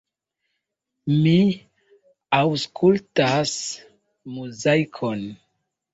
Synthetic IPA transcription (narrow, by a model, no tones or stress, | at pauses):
mi | awskʰultas | muzajkʰon